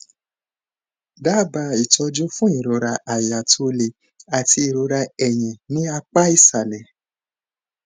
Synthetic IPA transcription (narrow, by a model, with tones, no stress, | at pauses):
da˦˨ba˧i˨tɔ˧d͡ʒu˦fũ˦i˨ɾo˨˧ɾa˧a˨ja˨tʰo˧le˧ | a˨ti˧˦i˨ɾo˧ɾa˧ɛ˨j̃ɛ̃˨nĩ˦a˧k͡pa˦i˦˨sa˨lɛ˨